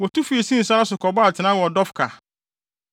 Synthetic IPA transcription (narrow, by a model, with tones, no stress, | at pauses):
wɔ˨tu˦fi˨˦e˨sĩ˦n̩˨sa˦a˦sʊ˨kʰɔ˨ba˦a˨tʰɪ˨nã˦wɔ˨dɔ˦fkʰa˨